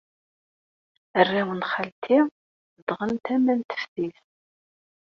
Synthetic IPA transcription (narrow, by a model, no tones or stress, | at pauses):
ərːæwənχəlt̪ʰiʁ | əd̪ʁənt̪æmænt̪ə̥fθiθ